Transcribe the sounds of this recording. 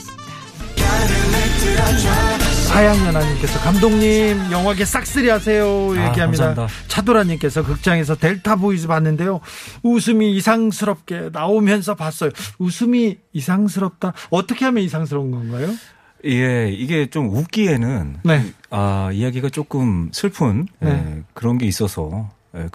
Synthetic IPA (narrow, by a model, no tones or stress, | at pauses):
sʰajaŋɲʌnaɲimk͈e̞sʰʌkamdoŋɲimjʌŋɦwaɡes͈ak̚s͈ɯɾiɦasʰe̞joiaɡiɦamɲidat͡ɕʰadoɾaɲimk͈e̞sʰʌkɯk̚t͡ɕ͈aŋe̞s̬ʰʌte̞ɭtʰaboid͡ʑɯpanːɯnde̞jousʰɯmiːsʰaŋsʰɯɾʌp̚k͈e̞naomjʌns̬ʰʌpas͈ʌjousʰɯmiːsʰaŋs̬ʰɯɾʌp̚t͈aʌt͈ʌkʰe̞ɦamjʌnis̬ʰaŋsʰɾʌɯnɡʌnɡajo | je̞iɡe̞t͡ɕomup̚k͈ie̞nɯnne̞aijaɡiɡat͡ɕ͈ok͈ɯmsʰɯɭpʰɯnnekɯɾʌnɡe̞is͈ʌsʰʌ̰ | ḛ